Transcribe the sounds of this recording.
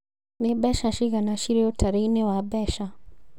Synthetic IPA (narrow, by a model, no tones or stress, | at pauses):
nebɛʃaʃiɣanaʃiɾeotʰaɾeinewabɛʃa